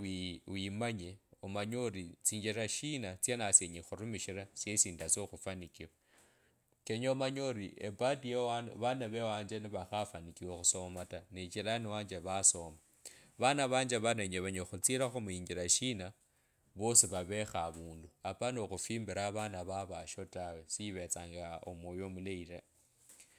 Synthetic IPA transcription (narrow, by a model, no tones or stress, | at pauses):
iwimaɲeomaɲoɾit͡siːɲd͡ʒiɾaʃinat͡sjenasjeɲixuɾumiʃiɾasjesiːndaso̞xufanikiwa | keɲomaɲoɾiʔepadijewaβanaβewaːɲd͡ʒeniβaxafanikiwoxuso̞matanit͡ʃilaniwaːnd͡ʒeβaso̞ma | βanaβaːɲd͡ʒeβanaɲeβaɲoxut͡siɾaxomuiːɲɡiɾaʃina | βo̞siβaβe̞xaβuːnduapanoxufiːmbiɾaβanaβaβaʃo̞tawesiiβe̞t͡saːŋɡao̰mojomuleira